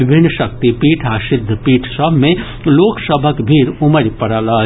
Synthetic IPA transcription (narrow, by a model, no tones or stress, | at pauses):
ɪbʱɪnːʃək̚t̪ipiːʈʰaːsɪd̪ʱːəpiːʈʰsəbʱmẽ | loːksəbʱəkbʱiːɾʊməɾpəɾalaː